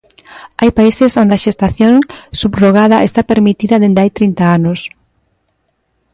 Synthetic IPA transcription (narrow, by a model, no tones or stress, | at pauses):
ajpaisesond̪eaʃest̪aθjoŋsubroɣaðɐʔest̪apeɾmit̪iðɐðend̪ajt̪ɾint̪aanos